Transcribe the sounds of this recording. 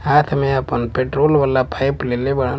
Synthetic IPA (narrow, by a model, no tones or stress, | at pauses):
aːt̪ʰmẽɐpənpeʈɾoːlʋəlːapʰajplelebɐɽa